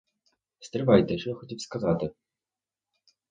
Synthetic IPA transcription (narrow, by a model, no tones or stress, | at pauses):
st̪ɾɨvajt̪ɛʂɔxɔtʲipskazat̪ɨ